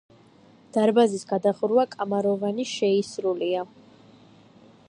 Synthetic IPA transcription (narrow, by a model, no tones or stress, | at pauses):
d̪̥aɾbazisɡad̪aχɾwakʼamaɾɔvaniʃɛisɾulia